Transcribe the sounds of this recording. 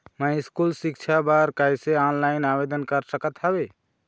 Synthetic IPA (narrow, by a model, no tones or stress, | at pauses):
mə̃iskulsik̚t͡ʃʰabaɾkajseɔnlajnabed̪ənkəɾsəkət̪ɦabe